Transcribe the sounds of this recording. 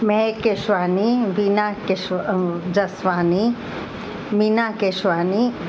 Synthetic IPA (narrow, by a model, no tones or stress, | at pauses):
mẽkeʃʋaːniʋinakeʃd͡ʒɐsʋaːni | minaːkeʃʋaːni